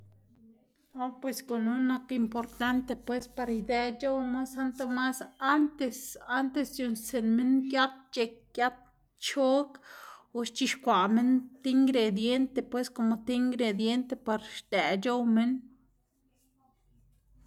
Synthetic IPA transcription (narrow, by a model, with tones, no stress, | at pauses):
o˦pwe˧sko˨nu˦no˦ki˧mpo˨ɾt̪a˦nt̪e˧pwe˦spa˧ɾjd̪ɛ˧d͡ʒo˦wma˦sa˦nt̪o˧ma˦sa˦nt̪e˧sa˦nt̪e˧sd̪jo˧˨nse˨nme˦nkja˦t̪̚t͡ʃe˧k̚kja˦t̪̚ | t͡ʃo˦ku˧ʃt͡ʃi˧ʃkʷa˨me˦nt̪i˦ŋɡɾe˨d̪je˦nt̪e˧˨pwe˦sko˧mo˨t̪i˦ŋɡɾe˨d̪je˦nt̪e˧pa˧ɾʃd̪æ˨d͡ʒo˦wme˦n